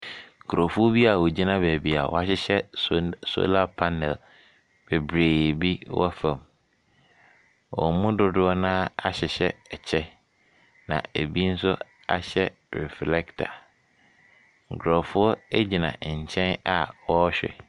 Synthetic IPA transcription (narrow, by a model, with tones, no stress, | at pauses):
ŋ̩˨kʰɾɔ˨fʊ˦ɔ˦bi˦a˨wɔ˨d͡ʑi˦nã˦bæ˨bi˨a̰˨wɔ̰˦˨a˨ɕɪ˦ɕɛ˦so̰˦la˦pʰa˦nɛ˨l | b̥e˨bɾeː˨bi˦wɔ̰˦fã˨m | wɔ̰˨˦mũ˦dʊ˦dʊ˦ɔ˦nãː˦a˦ɕɪ˨ɕɛ˦ɛ˨t͡ɕʰɛ˦ | nã̰˨e˨bi˦n̩˦sʊ˦ | a̰˦ɕɛ˦ | ɾɛ̰˨flɛ˦ktʰa̰˨ | ŋ̩˨kʰɾɔ˨fʊ˦ɔ˦e˦d͡ʑi˨nã̰˨ɲ̩˨t͡ɕʰɛ̃˦na˨wɔ˦ɕᶣɛ̰˨